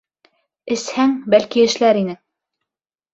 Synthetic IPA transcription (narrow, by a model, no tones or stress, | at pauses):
ɘ̆shæŋbælkiɘ̆ʃlæɾinɘ